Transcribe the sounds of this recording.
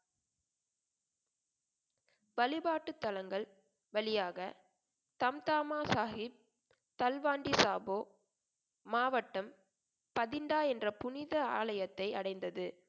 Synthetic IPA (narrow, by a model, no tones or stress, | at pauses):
bɐlɪbaːʈːɯt̪ːɐlɐŋɡɐɭ | ʋɐlɪjaːɣɐ | t̪ɐmt̪aːmaːsaːhɪp̚ | t̪ɐlʋaːɳɖisaːboː | maːʋɐʈːɐm | pɐðɪɳɖaːɛndrɐpʊnɪðɐaːlɐjɐt̪ːɐɪɐɽɐɪnd̪ɐðɯ